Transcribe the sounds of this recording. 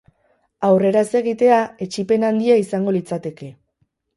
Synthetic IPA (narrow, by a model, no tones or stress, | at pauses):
awre̞ɾaese̞ɣ̞it̪e̞ae̞t͡ʃipe̞nand̪iaisaŋɡo̞lit͡sat̪e̞ke̞